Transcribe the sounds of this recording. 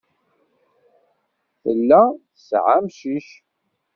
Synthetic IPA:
θə̰lːæθəsʕamʃiʃ

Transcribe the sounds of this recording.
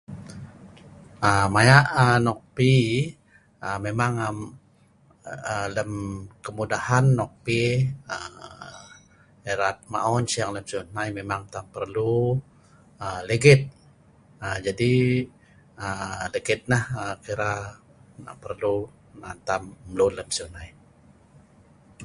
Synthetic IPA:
əmajaʔənɔk̚pi | əmemaŋəm | ələmkəmudahanːɔk̚piə | eɾat̪̚ma̰ɔnsijaŋləmsunajmemaŋt̪ampərlu | ələɡɪt̪̚ | əd͡ʒadi | ələɡɪt̪̚nahəkiɾa | na̰ʔpərlu | nant̪amːlunləmsiunaj

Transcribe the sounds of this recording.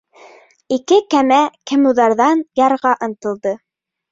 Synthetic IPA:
ikɘkæmækɘ̆muðɑɾðɑnjɑɾʁɑʔɤ̆nt̪ɤ̆lˠd̪ɤ

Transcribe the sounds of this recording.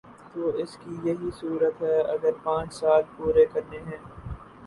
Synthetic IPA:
t̪oːɪskijɐɦisuːɾət̪ɦɛɐɡəɾpãːt͡ʃsaːlpuːɾekɐɾneɦɛ̃ː

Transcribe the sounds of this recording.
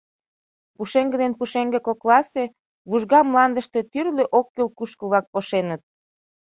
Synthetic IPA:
puʃeŋɡə̆d̪enpuʃeŋɡekoklɑse | βuʒɣɑmlɑnd̪əʃt̪et̪yrleʔokːelkuʃkəβlɑk̚poʃenət̪̚

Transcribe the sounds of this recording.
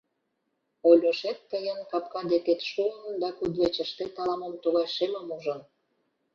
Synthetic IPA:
olʲoʃet̪̚ːəjənkɑp̚kɑd̪eket̪ʃuənd̪ɑkud̪βet͡ɕəʃt̪et̪ɑlˠɑmə̆mt̪uɣɑʃeməmuʒə̆n

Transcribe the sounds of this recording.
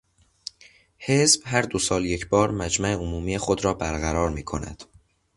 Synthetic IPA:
he̞zb̥ɦæɾd̪osɒːlje̞cʰbɒːɾmæd͡ʒmæeomuːmiːe̞xod̪ɾɒːbæɾɣæɾɒːɾmiːkʰo̞̰næ̰d̪̥

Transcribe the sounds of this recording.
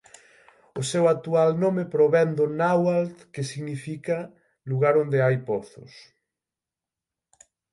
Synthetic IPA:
ʊsewak̚t̪ualnomepɾoβɛnd̪ʊnawalt̪kesiɣnifika | luɣaɾond̪eajpɔθʊ̰s

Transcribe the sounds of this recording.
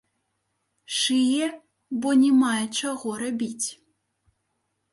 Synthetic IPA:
ʂɨjɛ | bɔnʲɛmajɛt͡ʂaɣɔɾabʲit͡sʲ

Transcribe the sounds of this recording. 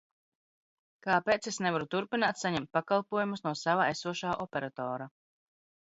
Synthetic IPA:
kapeːt̪sesnevaɾut̪uɾpinaːt̪saɲɛmt̪̚pakalˠpuɔjumusnuɔsavaesuɔʃaːʔɔpʲeɾat̪ɔːɾa

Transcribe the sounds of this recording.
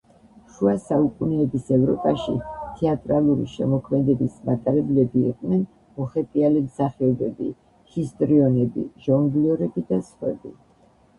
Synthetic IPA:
ʃuasaukʼunɛːbisɛvɾɔpʼaʃḭt̪ʰɛat̪ʼɾalˠuɾḭʃɛmɔkʰmɛd̪ɛbismat̪ʼaɾɛblɛbḭːqʼnɛn | mɔχɛp̪ʼialimsaχɛɔbɛbi | hist̪ʼɾiɔnɛbḭʒ̥ɔŋɡliɔɾɛbid̪asχwɛ̰bi

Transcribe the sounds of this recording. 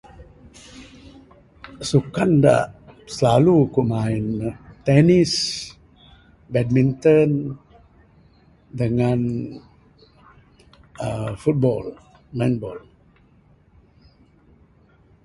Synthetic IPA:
sukanda̰ʔsəlalukumaint̪ɛnis | bɛd̚mint̪ən | dəŋan | əfut̪̚bɔ̰l | majnbɔ̰l

